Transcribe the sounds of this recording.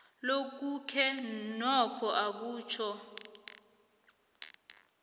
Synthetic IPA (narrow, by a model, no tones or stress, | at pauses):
lok̬ukʰɛnɔkʰɔʔak̬uːt͡ʃʰɔ